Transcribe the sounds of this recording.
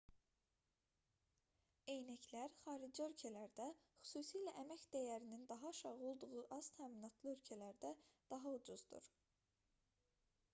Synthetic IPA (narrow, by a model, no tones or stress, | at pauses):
e̞jnæclæɾχɑːɾid͡ʒiø̞lcʰælæɾd̪æχy̥suːsijlæʔæmæçd̪̥æjæɾinind̪ɑɦɑʃɑʁo̞lˠd̪uʁuʔɑz̥t̪ʰæːminɑt̪ʰlˠɯø̞lcʰælæɾd̪æd̪̥ɑɦɑud͡ʒuz̥d̪ṵɾ̥